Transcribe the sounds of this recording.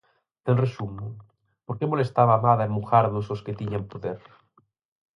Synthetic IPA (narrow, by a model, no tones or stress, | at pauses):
t̪enresumo | poɾkemolest̪aβaːmaðaemmuxaɾðososket̪iɲampoðeɾ